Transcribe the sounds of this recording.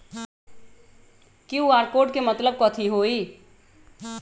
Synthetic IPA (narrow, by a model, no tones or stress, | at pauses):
kiuaːɾkoːɾʈ̚kemət̪ləb̚kət̪ʰiɦoːi